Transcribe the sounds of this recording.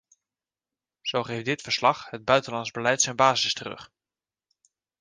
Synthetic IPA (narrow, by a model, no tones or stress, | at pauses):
z̥owχejfdɪtfəɹslɑχɦəd̚bœɥtənlɑnzbəlɛjtsɛjnbaːzɪstərɵ̰χ